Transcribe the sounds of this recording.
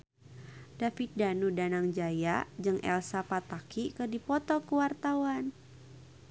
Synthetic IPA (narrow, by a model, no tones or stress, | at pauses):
dafit̪̚danudanaŋd͡ʒajad͡ʒɨŋʔɛ̰lsapat̪akikədipɔt̪ɔkəwart̪awan